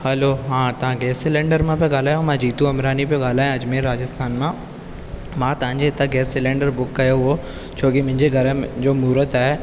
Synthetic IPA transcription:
hɐloɦãːt̪ɐʋ̤ãɡɛːsɪlẽːɳɖəɾmãpioɡaːl̤aːjõmãd͡ʑiːt̪ũɐmɾaːnipijoɡaːl̤aːjõɐd͡ʑmẽɾaːd͡ʑəst̪ʰaːnmã | mãːt̪ɐʋãɲd͡ʑet̪ãɡɛːsɪlẽːɳɖəɾbʊkːɐjoɦo | t͡ɕʰoːkimʊ̃ɦɪ̃ɲd͡ʑeɡʱɐɾəd͡ʑoːmuːɾət̪aːɦe

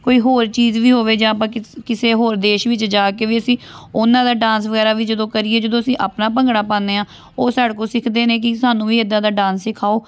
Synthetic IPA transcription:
koːiːɦoːɾt͡ʃiːzʋiːɦoːʋeːd͡ʒãːəpãːkɪkɪseːɦoːɾd̪eːʃʋɪt͡ʃd͡ʒaːkeːʋiːəsĩːʊnãːd̪aːɖãːns̬ʋəɣɛːɾaːʋiːd͡ʒəd̪õːkəɾiːeːd͡ʒəd̪õːəsĩːʔaːpnaːpəŋɡɽaːpãːnd̪eːãː | oːsaːɽkõːsɪkʰd̪eːnẽːk̬ɪsaːnũːʋiːed̪ãːd̪aːɖãːnssɪkʰaːoː

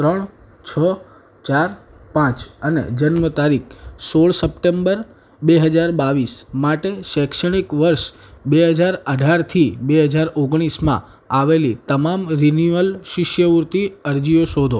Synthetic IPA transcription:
t̪ɾəɳ | t͡ʃʰə | t͡ʃaɾpãt͡ʃənḛd͡ʒənmət̪aɾikʰsoɭsəpʈembəɾ | beɦəd͡ʒaɾbaʋismaʈeʃɛkʃəɽ̃ikʋəɾʃ | beɦəd͡ʒaɾəɖʱaɾt̪ʰibeɦəd͡ʒaɾoɡɽ̃ismã̰ | aʋelit̪əmamɾinuəlʃɪʃjəʋuɾt̪iəɾd͡ʒijoʃod̪ʱo

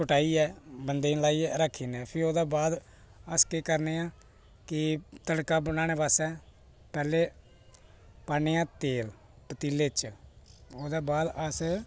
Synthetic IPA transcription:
kʊʈaːiːɛːbənd̪eːlaːiːɛːɾaːkʰːiːnɛ̃ːpʰɪɾoːd̪aːbaːd̪ | əskeːkəɾneːãː | kɪt̪əɽkãːbənaːɽ̃eːpaːsɛ̃ː | pɛːleː | paːneːãːt̪eːl | pət̪iːleːt͡ʃ | oːd̪aːbaːd̪əs

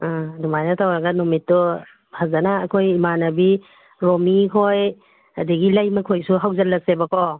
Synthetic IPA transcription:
adumajnatʰawɾaɡanɔmitːɔ | hazanaːkʰojimanabi | ɾɔmikʰoj | adiɡilajmɐkʰojsuɦawzalːɐsebakɔ

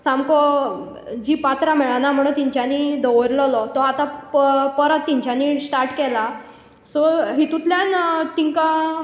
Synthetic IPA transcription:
samkɔ | d͡ʑipat̪ɾamɛɭanam̤əɽut̪iɲt͡ɕjanid̪ɔʋəɾlɔlɔt̪ɔat̪apəɾət̪ːiɲt͡ɕanisʈaɾʈkɛla | sɔɦit̪ut̪ljant̪iŋka

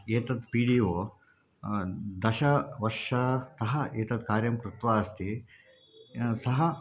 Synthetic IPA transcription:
eːt̪ɐd̪̚piːɽiːʋoː | d̪ɐʃɐʋɐʂaːsɐɦɐeːt̪ɐt̪̚kaːɾjɐmkɾut̪ʋaːɐst̪i | sɐɦɐ

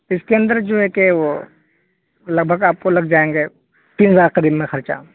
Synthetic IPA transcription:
ɪskeɐ̃nd̪əɾd͡ʒoːɦɛkeʋo | lɐɡ̚bʱəɡaːp̚kolɐɡd͡ʒaːẽːŋɡeː | t̪iːnzaːɾqɐɾiːbmẽxɐɾt͡ʃa̰

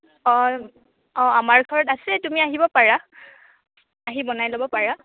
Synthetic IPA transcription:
ɔ | ɔ̃amaɹɡʱɔɹɔtasɛtumiaɦibɔpaɹa | aɦibɔnajlobɔpaɹa

